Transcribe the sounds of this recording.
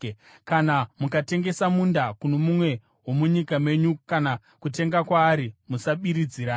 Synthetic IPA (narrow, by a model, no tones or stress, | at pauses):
kanamukate̞ŋɡe̞samundakunomumwe̞ | wo̞muɲikame̞ɲukana | kute̞ŋɡakwaːɾimusaɓiɾid͡ziːɾa